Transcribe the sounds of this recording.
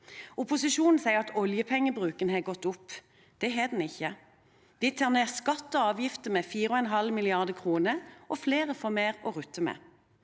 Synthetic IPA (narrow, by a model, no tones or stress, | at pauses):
ʊpʊsɪʃuːnn̩sæɪəʁɑt̪ɔljəpʰɛŋːəbʁʉːkənheːɡɔt̪ːʊpː | d̪̥ɛɦeːd̪ɛn̩ɪçːə | d̪ɪt̪ʰɑːʁneːskɑt̪ːɔɑːʋjɪft̪əmɛːfiːʁəɔɛnɦɑlmɪlɪɑʁd̪əkʰʁuːnəʁʔɔfleːʁəfɔmeːʁɔʁʉt̪ːəmɛ̰ː